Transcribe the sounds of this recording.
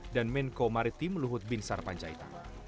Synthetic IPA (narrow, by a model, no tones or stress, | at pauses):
danmɛnkomaɾit̪iməluɦʊt̪̚binsarpaɲd͡ʒait̪a̰